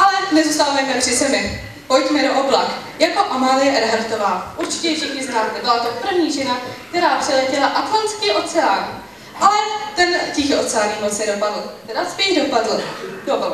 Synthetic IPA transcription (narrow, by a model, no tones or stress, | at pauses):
ʔalɛnɛzust̪alamɛmɛpr̥ɪsɛmɪ | po̞jtmɛdoʔoblakjako̞ʔamaːlɪjɛʔɛɾɦaɾt̪o̞vaːʔuɾt͡ʃɪ̥cɛfʃɪxɲɪznaːmt̪ɛbɪlat̪o̞pr̩vɲiːʒɛnak̚t̪ɛɾaːpr̥ɛlɛcɛlaʔat̪fonskɪʔo̞t͡sɛaːn | ʔalɛt̪ɛncixo̞t͡sɛaːɲiːmot͡sɛdopadl̩t̪ɛdaspɛʒdo̞padl̩dob